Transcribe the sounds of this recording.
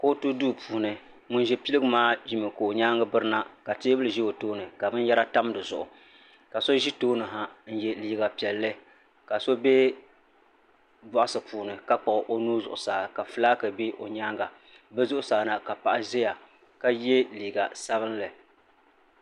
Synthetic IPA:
ko˦tu˦duː˦˨pʰuː˨nɨ˨ | mʊ˦n˦ʒɛ˦pi˦lɨ˦ɡɨ˦maː˦ʒi˦mɨ˨ko˨o˨ɲaː˦ŋɡa˦bɨ˦ɾɨ˦na˦ka˨te˦bɨ˦lɨ˨ʒi˦o˨toː˦nɨ˨ka˨bɨ˦n˦jɛ˦ɾa˦ta˦m˦dɨ˨zʊ̰˨ʔʊ̰˨ | ka˨so˦ʒi˦toː˦nɨ˨ɦa˦n̩˦jɛ˦liː˦ɡa˨pi˨ɛ˨lːɨ˦ | ka˨so˦be˦ | bɔ˨ʔʊ˨sɨ˨pʰuː˨nɨ˨ka˦k͡pa˨ʔʔo˦nuː˦zʊ˨ʔʊ˨saː˨ka˨fɨ˦laː˦kɨ˨be˦ʔo˨ɲaː˦ŋɡa˨ | bɛ˦zʊ˦ʔʊ˦saː˨na˨ka˨pa˨ʔa˦ze˦ja˨ | ka˦jɛ˦liː˨ɡa˨sa˦βɨ˦nlɨ˨

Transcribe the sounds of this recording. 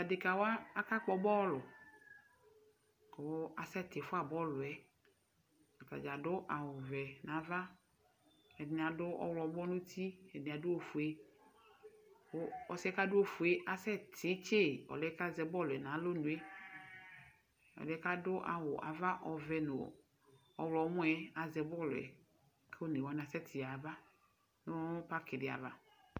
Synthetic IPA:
a˨de˨ka˨wo˦a˦a˦ka˦k͡pɔ˨bɔ˦lʊ˨ | kɔ˨wa˨sɛ˦t̪e˨fʊ˦a˨bɔ˦lʊ˨ɛ˨ | ɔ˨ta̰˨d͡ʒa˨ɖʊ˦ʔa˨wʊ˨vɛ˨nã˨va˦ | e˨nĩ˨a˨ɖʊ˦ʔɔ̰˦wlɔ˨˦bɔ˦nũ˦t̪ʰi˦e˨nĩ˨a˨do˦wo˦fu˨e˦ | wo˦ɔ˨sɛ˦ka˦dʊ˦wo˦fu˨e˦ʔa˨sɛ˦tʰɪ˨˦t͡ʃe˦˨ɔ̰˨lɛ˨˦ka˦zɛ˨bɔ˦lɛ˨nã˨˦lo˦nũ˨e˦ | ɔ̰˨lɛ˨˦ka˦dʊ˦ʔa̰˨wʊ˨ʔa˨va˦ʔɔ˨vɛ˨nʊ̰˨ | ɔ˨wlɔ˨˦m̃˦ɛ˦a˨zɛ˨bɔ˦lʊ˨ɛ̰˨ | kʰe˦o˦ne˨wa˨˦n˨a˨sɛ˦t̪ʰi˨a˨va˦ | nʊ̃˦pa˦kɪ˨ɪ˨a̰˨va˦

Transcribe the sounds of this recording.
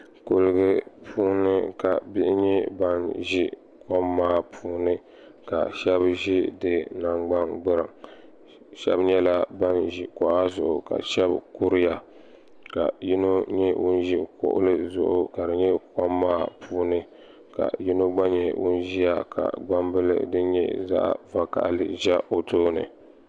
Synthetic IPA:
ko˨lɨ˨˦ɡɨ˦pʰuː˦nɨ˦ka˨bi˦ʔɪ˦ɲɛ˦ba˦nʒi˦ | kɔ˦mːaː˦pʰuː˦nɨ˦ | ka̰˨ʃɛ˦bʒi˦dɨ˦na˨ŋɡ͡ba˦nɡ͡bɨ˦ɾɨ˨m | ʃɛ̰˦bɲɛ˦la˦ba˦nʒi˨kɔ˨ʔa˦zʊ˨ʔʊ˨ka̰˨ʃɛ˦bku˦ɾɪ˦ja˨ | ka̰˨ji˦no˦ɲɛ˦wʊ˦n˦ʒi˦kʊ̰˦ʔʊ̰˦lɨ˦zʊ̰˦ʔʊ˦ka˨dɨ˨ɲɛ˦kɔ˦mːaː˦pʰuː˦nɨ˦ | ka̰˨ji˦no˦ɡ͡ba˦ɲɛ˨wʊ̰˦n˦ʒi˦ja˨kʰa̰˨ɡ͡ba˦mbɨ˦lɨ̰˦dɨ˦ɲɛ̰˦za̰˦ʔva˦ka̰˨ʔlɨ̰˨ʒɛ˦ʔo˨toː˦nɨ̰˨

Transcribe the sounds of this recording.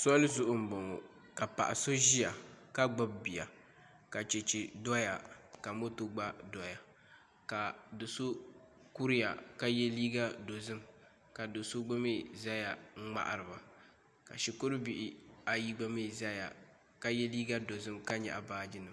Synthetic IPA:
sɔ˦lɨ˦zʊ˦˨ʔʊ˦m̩˨bɔ˨ŋo˨ | ka˨pa̰˨ʔa˨so˦ʒi˦ja˨ka˦ɡ͡ba˦bbi˨ja˨ | ka˨t͡ʃe˨t͡ʃi˨dɔ˦ja˨ka˨mo˦to˦ɡ͡ba˦dɔ˨ja˨ | ka˨do˨so˦ | ku˦ɾɪ˦ja̰˨ka˦jɛ˦liː˦ɡa˦do˨zɨ˦m | ka˨do˨so˦ɡ͡ba˦me˦˨za˦ja˨ŋ̩˦ŋ͡ma̰˦ʔa̰˨ɾɨ˨ba˨ | ka̰˨ʃi˨ko˦ɾɨ˦bi˨ʔɪ˦a˨ji˦ɡ͡ba˦me˦˨za˦ja̰˨ | ka˦jɛ˦liː˦ɡa˦do˨zɨ˦mka˦ɲɛ̰˨ʔa˨baː˦d͡ʒɪ˦nɨ˨m

